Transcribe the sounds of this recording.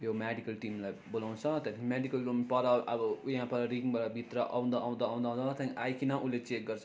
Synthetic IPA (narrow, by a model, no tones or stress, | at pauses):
jomeɖikʌlʈimlajbolaw̃nt͡sʰʌt̪ãnkmeɖikʌlompʌɾaʌbʌjʌɦãpʌɾʌɾiŋbaʈabʱit̪ɾʌʔa̰w̃nd̪aːw̃nd̪ãːw̃nd̪aũd̪ʌt̪ãnʔajkʰinʌʔulet͡sek̚ɡʌrt͡sʰʌ̥